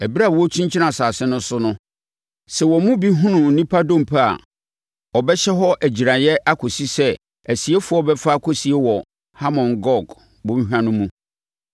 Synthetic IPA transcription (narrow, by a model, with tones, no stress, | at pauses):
æ˨bi˦ɾa˦˨wɔ˦t͡ɕʰĩ˦ɲt͡ɕʰi˦nã˨saː˨sɛ̃˦nʊ̃˦sʊ˦nʊ̃˦ | sɛ˨wɔ˨mũ˦bi˦ɦʊ̃˦nʊ̃˨n̩˨nĩ˦pʰa˦dõ˦m̩˨pʰa˦a̰˨ | ɔ˨bɛ˦ɕɛ˦ɦɔ˦ʔæ˨d͡ʑi˨ɾã˨jɛ˦ʔa˦kʰo˨si˦sɛ˦ | æ˨si˨e˦fʊ˨˦ɔ˦bɛ˦fa˦˨kʰo˨si˨e˦wɔ˨ | ha˦mɔ̃˨nɡɔ˦ɡ | bõ˦ɦã˦nʊ̃˦mũ˦